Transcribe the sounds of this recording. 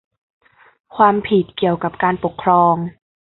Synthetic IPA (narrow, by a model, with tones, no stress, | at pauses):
kʰwaː˧mpʰi˨˩t̪̚ki˨˩əwka˨˩p̚kaː˧npo˨˩kʰːɾɔː˧ŋ